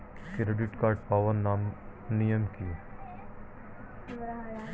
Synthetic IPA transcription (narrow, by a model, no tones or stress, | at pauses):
kɾeɖɪʈkaːɾʈ̚paːʋəɾnaːmnijəmkiː